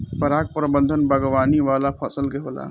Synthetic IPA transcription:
pɐɾaːk̚pɾəbə̃nd̪ʱənbɐɡʋaːniʋaːlapʰəsəlɡeɦoːla̰ː

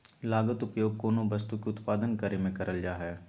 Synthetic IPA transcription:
laːɡət̪ʊpjoːɡ̚koːnobɐst̪ukeʊt̪paːd̪ənkɐɾemẽkɐɾʔəld͡ʒaːɦɛː

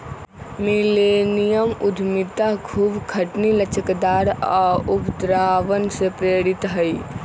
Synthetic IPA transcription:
milenijəmud̪ʱmit̪akʰuːbkʰəʈnilət͡ʃəkd̪aːɾaubd̪ɾaːʋənsepɾeːɾit̪ɦəi

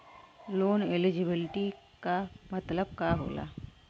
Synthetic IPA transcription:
loːnelɪd͡ʒɪbɪlɪʈi | kamɐt̪ləb̚kaɦo̰ːla̰ː

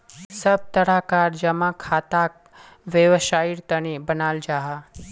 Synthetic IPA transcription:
səb̚t̪əɽakaːɾd͡ʒəmãkʰaːt̪ak̚ | ʋeʋʃaːiɾt̪əñibənaːld͡ʒaːɦa

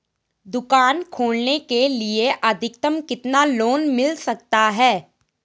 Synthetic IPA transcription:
d̪ʊkaːnkʰoːlnekelieʔɐd̪ʱɪk̚t̪əmkɪt̪naloːnmɪlsɐk̚t̪aɦɛː

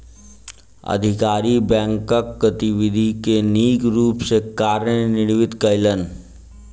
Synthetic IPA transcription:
ə̰d̪ʱɪkaːɾibɛ̃ːŋkəkːət̪iʋɪd̪ʱikeniːkɾuːpsekaːɾjnɪɽʋɪt̪kəɪlən

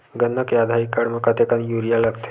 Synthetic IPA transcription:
ɡənːəkjad̪ʱaikaɽməkat̪ekanjuɾijalaɡt̪ʰe̥

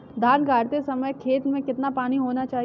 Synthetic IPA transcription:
d̪ʱaːnɡʱaːɾt̪esɐməjkʰeːt̪mẽkɪt̪napaːniɦoːnat͡ʃaːɦi

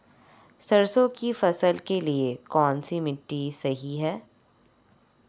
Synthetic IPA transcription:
sɐɾsõkifɐsəlkeliekɔːnsimɪʈːisɐɦiɦɛː

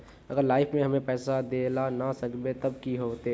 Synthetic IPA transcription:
əɡəɾlaːɪpʰmẽɦɐmẽpɛːsad̪eːlanasəkbet̪ɐbkiɦoːt̪e

